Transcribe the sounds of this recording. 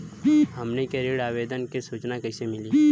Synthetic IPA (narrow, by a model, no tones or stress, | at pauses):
ɦɐmnekeɾeːɽaːʋeːd̪ənkesuːt͡ʃnakɐɪsemɪliː